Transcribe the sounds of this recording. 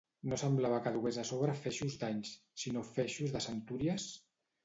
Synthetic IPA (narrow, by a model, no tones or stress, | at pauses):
nosəmblaβ̞akaðuɣezasoβɾəfɛʃuzd̪aɲs | sinofɛʃuzðəsənt̪uɾiəs